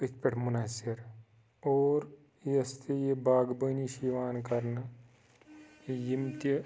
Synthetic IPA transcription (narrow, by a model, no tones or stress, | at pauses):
ikpeʈʰmʊnasɪɾ | oːɾ | jɐst̪ejebaːɡbəniʃiʋaːnkɐɾn | jimt̪jə